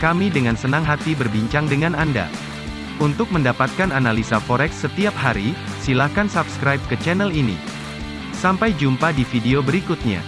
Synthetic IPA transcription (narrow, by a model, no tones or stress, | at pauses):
kamidəŋansənaŋɦat̪ibərbiɲt͡ʃaŋdəŋananda̰ | unt̪ʊk̚məndapat̪̚kananalisafɔɾɛksːət̪iap̚haɾi | silakansabskɾajp̚kət͡ʃɛnɛlinḭ | sampajd͡ʒumpadifideobəɾikʊt̪̚ɲa̰